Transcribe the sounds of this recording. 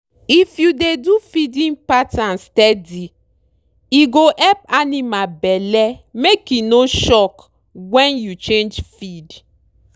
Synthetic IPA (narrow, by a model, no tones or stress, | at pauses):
ifjudedufidĩnpatãnstɛdi | iɡoʔɛp̚animabɛlɛmekinoʃɔk | wɛ̃njut͡ʃẽnd͡ʒfid